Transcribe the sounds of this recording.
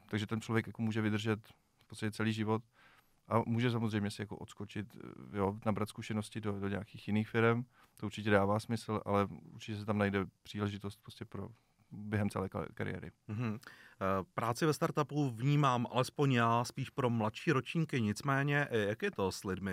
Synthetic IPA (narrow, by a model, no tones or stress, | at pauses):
t̪aɡʒɛt̪ɛnt͡ʃlovjɛkjakomuːʒɛvɪd̪rʒɛt̪ | fpo̥t͡st̪acɛt͡sɛliːʒɪvo̞t̪̚ | ʔamuːʒɛs̬amozrɛjmɲɛsɪjako̰ʔot̪skot͡ʃɪt̪jonabɾat̪skuʃɛnoscɪdodoɲaakiːxjɪniːxfɪɾɛm | t̪oʔuɾt͡ʃɪcɛdaːvaːsmɪsl̩ʔa̰lɛṵɾt͡ʃɪcɛs̬ɛt̪amnajdɛpr̝̥iːlɛʒɪt̪ost̪̚pɾoscɛpɾo̰ | bjɛɦɛmt͡sɛ̰lɛ̰ːka̰ɾɪ̰jɛ̰ːɾɪ̰m̩ɦm̩ | pɾaːt͡sɪvɛst̪aɾt̪apuvɲiːmaːmʔa̰lɛspo̞ɲjaːspiːʃpɾo̞mlat̪ʃiːɾot͡ʃɲikɪɲɪt͡smɛːɲɛʔjakjɛt̪o̞slɪdmɪ